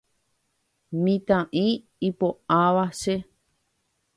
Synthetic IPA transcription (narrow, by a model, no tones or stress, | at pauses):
mĩt̪ãʔĩ | ipoaβaʃe